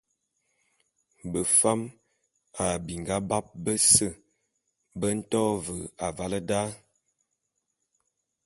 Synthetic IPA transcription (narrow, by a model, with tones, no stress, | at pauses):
bə˨fa˦m | a˨bi˨ŋ˨ɡa˦ba˦p̚bə˦sə˦˨ | bə˦n̩˦tɔː˦və˨a˨va˦lə˦da˦